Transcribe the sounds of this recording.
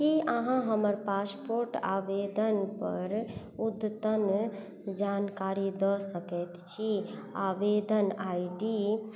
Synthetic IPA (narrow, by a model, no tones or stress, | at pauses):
kiəɦãɦəməɾpaspoɾʈa̰bed̪ənpə̰ɾ | ud̪t̪ən | d͡ʒankaɾid̪əsəkɛt̪t͡ʃʰia̰ʋed̪ənajɖi